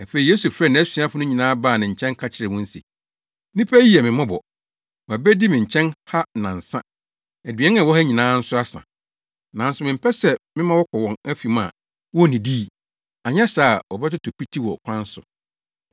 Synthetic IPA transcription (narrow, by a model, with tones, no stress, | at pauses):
æ˨fe˨i˨je˦su˨fɾɛ˦˨nã˨æ˦sĩ˨˦a˦fʊ˦nʊ̃˦ɲĩ˨nãː˦baː˦˨nɪ̃˨ɲ̩˨t͡ɕʰɛ̃˦ŋ˦kʰa˦t͡ɕʰɪ˨ɾɪ˨wʊ̃˦n̩˦sḭ˨ | nĩ˦pʰæ˦ji˦ɛ˨mɪ̃˨mã˦bɔ˨ | wɔ˨æ˨bɛ˦di˦mɪ̃˨ɲ̩˨t͡ɕʰɛ̃˦nha˦nã˨n̩˨sã̰˦ | æ˨dɥɛ˦nã˨wɔ˦ha˦ɲĩ˨nãː˦n̩˦sʊ˦a˦sã̰˨ | nã˨n̩˦sʊ˨mɪ̃˨m̩˦pʰɛ˦sɛ˦mɪ̃˦mã˦wɔ˦kʰɔ˨wɔ̃˨næ˦fi˨mã̰˨ | wɔ˦˨nĩ˨diː˦˨ | a˨ɲ˦ɛ̃˦saː˨wɔ˨bɛ˦tʊ˦tʰʊ˨pi˦tʰi˦wɔ˨kʷʰã˦n˦sʊ̰˨